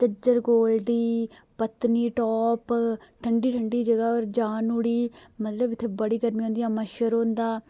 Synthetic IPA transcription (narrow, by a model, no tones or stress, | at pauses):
t͡ʃəd͡ʒəɾɡoːld̪iːpət̪niːʈɔːpʈʰəɳɖiːʈʰəɳɖiːd͡ʒəɡaːɔːɾd͡ʒaːnuːɽiːmət̪ləbɪt̪ʰːeːbəɽiːɡəɾmiːõːnd̪ijãːməʃəɾɦõːnd̪aː